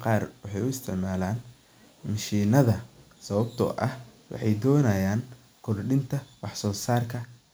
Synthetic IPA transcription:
qɑːrwɑħɑjʊɪst̪ʰɪ̰ʕmaːlaːn | mɐʃiːnɐðɐ | sɐβɐbt̪ʰɔ̰ʔɐhwɑ̰ħɑjd̪ɔːnɐjaːn | kʰɔrɖɪnt̪ʰɐwɑħsɔːsaːrkʰɐ

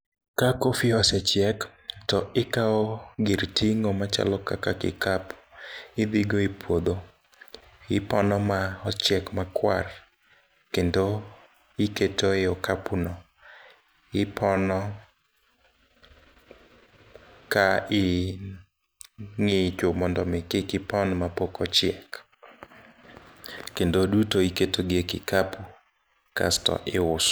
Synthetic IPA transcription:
kakofiɔsɛt͡ʃjɛktɔɪkaɔɡiɾtʰiŋɔmat͡ʃa̰lɔkakakɪ̰kapɪd̪iɡoipwod̪o | ɪpɔnɔmaɔt͡ʃjɛkmakwa̰r | kendo | ɪketoɪɔkapunɔ | ɪpʰɔnɔ | kaɪ | ŋɪt͡ʃomɔndɔmɪkɪkɪpɔnmapokɔt͡ʃjɛk | kendodutoiketoɡjekɪ̰kapu | ka̰stɔ̰ʔɪʊs

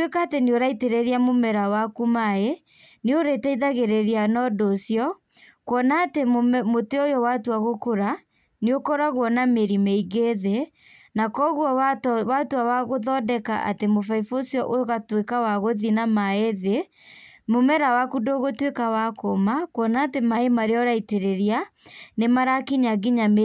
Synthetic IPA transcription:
twekaːteneoɾaiteɾɛɾiamomɛɾawakumae | neoɾetaiðaɣeɾeɾianɔdosjɔ | kwɔnaːtemoteojɔwatoaɣokoɾa | neokɔɾaɣwɔnameɾimeiɣeðe | nakɔɣwɔwatoawaɣoðɔdɛka̰ʔa̰temofaifosjɔʔojoɣatwekawaɣoðinamaeðe | momɛɾawakudoɣotwekawakomakwɔnaːtemaemaɾeɔɾaiteɾeɾianemaɾakiɲaɡiɲame

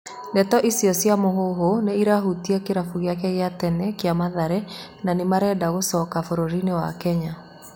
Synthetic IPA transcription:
ndɛtɔʔisiɔsjamoɦoɦoneiɾaɦutiakeɾafuɣjak̬ɛɣjatɛnɛkeamaðaɾɛ | nanemaɾɛdaɣosɔkafoɾoɾinewa̰kɛɲa

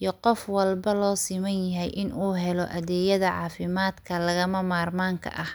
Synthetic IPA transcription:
jɔqɔfwɐlbɐlɔːsɪmɐnjɐɦɛjʔɪnʔuːɦɛlɔʔɐðɛːjɐðɐʕɑ̰ːfɪmaːd̪kʰɐlɐɣɐmɐmaːrmaːŋkʰɐ̰ʔɐh

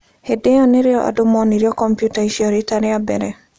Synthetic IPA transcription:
hedeɔnɪɾeɔʔa̰dʊmɔniɾiɔkɔmpjutaiʃiɔɾitaɾɪabɛɾɛ

